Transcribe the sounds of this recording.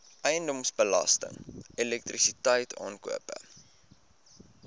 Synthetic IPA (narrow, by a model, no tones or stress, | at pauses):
ʔəjəndɔmsbəlɐ̰stə̰ŋilɛk̚trisitəjtʰɑ̰ːnkuəpə̰